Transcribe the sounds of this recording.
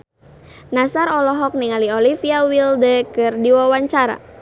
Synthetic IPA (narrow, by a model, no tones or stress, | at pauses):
nasaɾɔlɔɦɔk̚niŋaliolifiawildəkɨrdiwawaɲt͡ʃaɾa̰